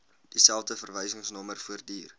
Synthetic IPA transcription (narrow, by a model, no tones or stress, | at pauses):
d̥isælˠfdəfərvəjsəŋsnɔmərfuərdiːr